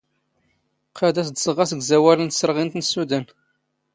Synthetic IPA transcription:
qʰæd̪æsd̪səʁɑsəɡzæwæɾənt̪sːəɾˤʁint̪nəsuðæn

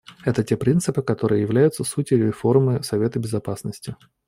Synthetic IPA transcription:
ɛt̪ətʲe̞pɾʲint̪sɨpɨkɐt̪o̞ɾɨjəjɪvlʲæjʊt̪səsutʲɪɪfo̞rmɨsɐvʲe̞t̪əbʲɪzɐpasnəsʲtʲɪ

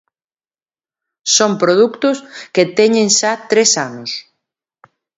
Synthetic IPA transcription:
sompɾoðukt̪ʊsket̪eɲẽŋʃat̪ɾesanʊs

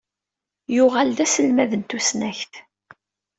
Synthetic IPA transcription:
jʊʁald̪æsəlmæðənt̪usnæçθ

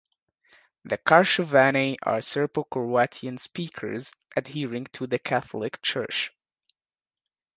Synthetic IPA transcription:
ðɨkʰɑɹʃəvæniʔə̰ɹsɜ˞pəkʰɔɹætʰiɨ̃nspikʰə̰˞z | ʔɨdhiɹɪ̃ŋtʰuðɨkʰæθl̩ˠɪkt͡ʃʰɜ̰˞t͡ʃ

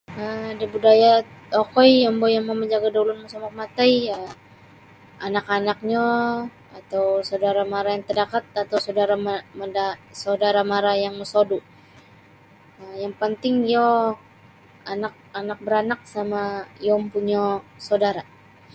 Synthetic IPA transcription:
ədibudajaokɔjɔmbɔjaŋmaməɲd͡ʒaɡadaulʊnmusɔmak̚mat̪ajə | anakanak̚ɲa | at̪awsawdaɾamaɾajaŋt̪ədakat̪̚at̪awsawdaɾamamədasawdaɾamaɾajaŋməsodu | əjaŋpənt̪ɪŋjɔ | anak̚anak̚bəɾanak̚samajɔmpuɲasawdaɾa

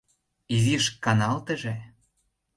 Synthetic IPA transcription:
iziʃkɑnɑlt̪ə̆ʒĕ

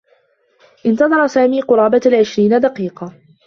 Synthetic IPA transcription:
ʔɪnt̪ɑðˤɑɾˤɑsaːmiːqʊɾˤɑːbalʕɪʃɾiːnad̪ɑqiːqɑ

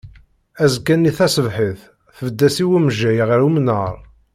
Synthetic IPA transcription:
æzkːænːiθæsəvħəθ | θəvəd̪ːæsiwæmʒæjʁɾumnəɾˤ

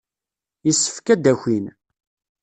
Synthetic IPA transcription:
jəsːə̥fkæd̪æçin

